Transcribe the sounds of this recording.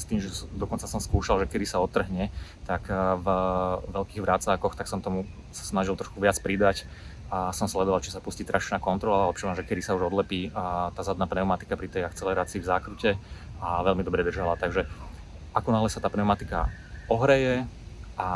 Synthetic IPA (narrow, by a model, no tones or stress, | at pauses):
st̪iːmʒɛd̪ɔkɔnt͡sasɔmskuːʃalʒɛkɛd̪isaɔt̪ːr̩ɦɲɛt̪akvʋɛlkiːɣʋɾat͡saːkɔxt̪aksɔmt̪ɔmu | sḁsnaʒilˠt̪ɾɔʃkuʋɪat͡spɾid̪ac | sɔmslɛd̪ɔʋalt͡ʃi̥sapuscit̪ɾaʃnaːkɔnt̪ɾɔlalɛpʃilamʒɛkɛd̪isauʒɔd̪lɛpiːt̪aːzad̪naːpnɛʊmat̪i̥kapɾit̪ɛjakt͡sɛlɛɾaːt͡siːvzakɾucɛ | aʋɛlmid̪ɔbɾɛd̪r̩ʒalat̪aɡʒɛ | akɔnaːɦlɛsat̪aːpnɛʊmat̪ika̰ | ɔɦɾɛjɛʔa